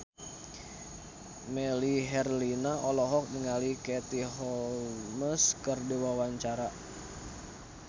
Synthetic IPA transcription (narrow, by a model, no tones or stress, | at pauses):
mɛliɦɛrlinaʔɔlɔɦɔk̚niŋalikɛt̪iɦɔlməskərdiwawaɲt͡ʃaɾa